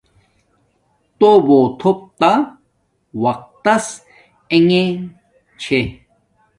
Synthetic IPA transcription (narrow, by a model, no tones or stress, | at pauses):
t̪obot̪ʰop̚t̪a | wɐq̚t̪ɐs | eŋẽ | t͡ɕʰe